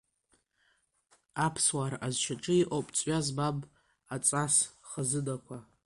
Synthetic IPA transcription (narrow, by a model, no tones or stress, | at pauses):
apʰswaɾazʃʰaʈ͡ʂʼɨiʔʼopʼt͡sʼɥazbab | at͡sʼasχazɨdakʷʰa